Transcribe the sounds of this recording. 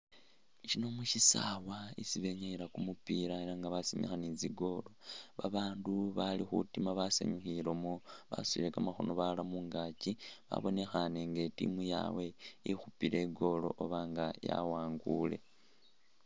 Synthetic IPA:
t͡ʃinomuʃisa̰waisiβe̞ɲaiɾakumupiɾaeɾaŋɡaβasimexaniziɡo̞lo̞βaβaːnduβalixṵtimaβasḛɲuxiɾomoβa̰suḭɾekamaxo̞̰no̞βalamuŋɡaciβa̰βo̞ne̞xane̞ŋɡe̞tḭmuja̰we̞ixupile̞ɡo̞lo̞̰ʔoβaŋɡaja̰waːŋɡule̞̰

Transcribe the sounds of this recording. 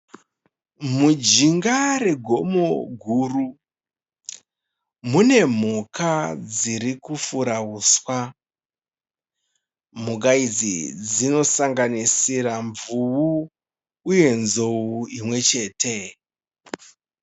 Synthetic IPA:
mud͡ʒiŋɡare̞ɡʱo̞mo̞ɡʱuru | mune̞m̤ukad͡ziɾikufuɾauːswa | m̤uk̬aid͡zḭd͡zino̞saŋɡanisiɾaɱvuuː | je̞nzo̞uimwe̞t͡ʃe̞ːtʰe

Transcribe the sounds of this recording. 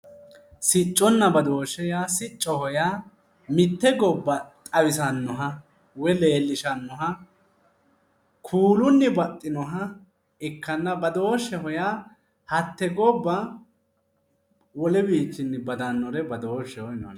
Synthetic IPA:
sɪt͡ʃʼːɔnːɐbɐd̪oːʃɛjasɪt͡ʃʼːɔhɔja | mɪt̪ːɛɡɔbːɐt̪ʼɐwɪs̬ɐnːɔɦɐ | wɛle̞ːlːɪʃɐnːɔɦɐ | kʰuːlʊnːɛbɐt̪ʼːɪnɔɦɐ | ɛkːɐnːɐbɐd̪oːʃːɛɦɔja | hɐt̪ːɛɡɔbːɐ | wɔlɛbiːt͡ʃːɪnːɪbɐd̪ɐnːɔɾɛbɐd̪oːʃːɛhɔjnɔ̰ɐn

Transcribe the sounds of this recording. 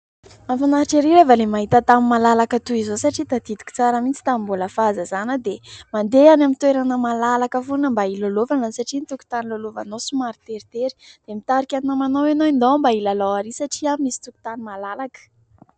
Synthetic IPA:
mamfanaɾiʈ͡ʂeɾiɾevalemaɦit̪ət̪amimːalalakət̪uizosaʈ͡ʂit̪ad̪id̪u̥kʲi̥t͡saɾəmint͡si̥t̪amimbuləfazəzanəd̪emand̪eanamint̪ueɾanəmalalakəfunəmbailolovanəsaʈ͡ʂint̪uku̥t̪anilolovanosumaɾit̪eɾit̪eɾi̥d̪̥emit̪aɾikʲaninamanowanoind̪awambailalaaɾisaʈ͡ʂiamimisi̥t̪uku̥t̪animalalakə̥

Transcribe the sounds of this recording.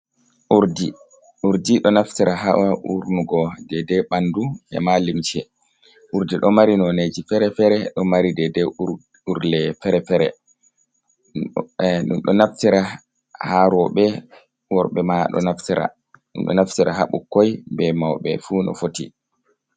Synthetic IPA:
uɾdi | uɾdiɗɔnaftiɾaɦaʔauɾnuɡɔdɛdɛɓanduʔɛ̰malimt͡ʃɛ | ʔuɾdiɗɔmaɾinɔned͡ʒifɛɾɛfɛɾɛɗɔmaɾidɛdɛ | uɾlɛfɛɾɛfɛɾɛ | ɗṵmɗɔnaftiɾa | haɾɔɓɛ | wɔɾɓɛmaɗɔ̰naftiɾa̰ | ɗṵnɗɔ̰naftiɾaɦa̰ɓukːɔjbɛmawɓɛ̰funɔ̰foti

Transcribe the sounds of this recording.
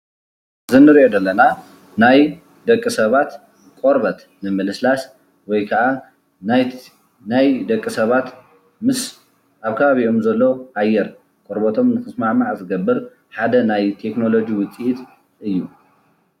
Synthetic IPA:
zɨnɨɾʔod̪ɐlːɐna | naj | d̪ɐkʼːisɐβat̪ | kʼoɾbɐt̪ | nɨmɨlɨslas | wɔjkʰɐʕa | najd̪ɐkʼːisɐβat̪ | mɨs | ʔaβkʰɐβaβiʔomzɐlːo̞ʔajɛɾ | kʼoɾbot̪ʰo̞mnɨxɨsmaʕmaʕzɨɡɐbːɨɾ | ħad̪ɐnajt̪ʰekno̞lo̞d͡ʒiwʊt͡sʼiʔit̪ | ʔɨjːu

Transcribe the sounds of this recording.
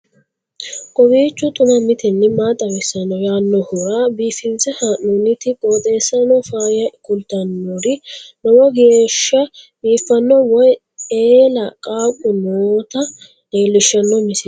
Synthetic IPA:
kʼɔbiːt͡ʃːʊt̪ʼʊnɐmɪt̪ʰɪnːɪmaːt̪ʼːɐwɛsːɐnɔjaːnːɔhʊɾaːbiːfɪnt͡sːɛhɐʔunɪt̪ɪkʼoːt̪ʼe̞ːsːɐnɔfaːjɐkʊlt̪ɐnːoɾɪnɔwɔɡeːʃːɐbiːfːɐnːɔwɔj | eːlɐkʼaːkʼʊnoːt̪ɐ | eːlːɪʃːɐnːɔmɪsɪ

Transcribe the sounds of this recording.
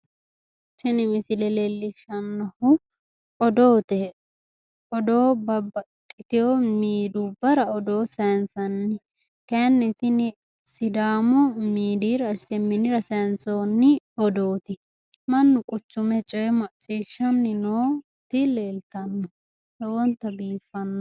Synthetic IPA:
sɪnɪmɪsɪlɛleːlːɪʃɐnːɔhʊ | ɔd̪oːt̪ɛ | ɔd̪oːbɐbɐt̪ʼːɪt̪ɪjomiːd̪ubɐɾɐɔd̪o̞ːsɐjnsɐnːɪ | kɛnːɛtɪnɪ | sɪd̪aːmʊmiːd̪iɾɐsɛmːɪnɪɾɐsɐjnsoːnːɪ | ɔd̪oːt̪ɪ | mɐnːʊkʼʊt͡ʃːʊmɛt͡ʃʼɔjɛmɐt͡ʃʼiːʃːɐnːɪnoː | t̪ɪleːlt̪ɐnːɔ | dɔwɔnt̪ːɐbiːfɐnːɔ

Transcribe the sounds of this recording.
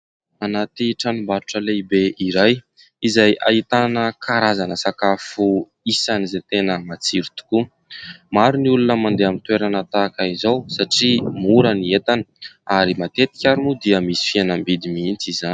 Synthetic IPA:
anat̪iʈ͡ʂanumbaɾuʈ͡ʂəleibeʔiɾaj | izaja̰it̪anəkʰaɾazanəsakafu | isanizet̪enəmat͡siɾit̪u̥ku | maɾuniulunəmand̪eamint̪weɾanat̪aːkaizowsaʈ͡ʂimuɾaniet̪anəaɾimat̪et̪i̥kʲaɾumud̪iəmisi̥fienəmbid̪imiint͡sizani

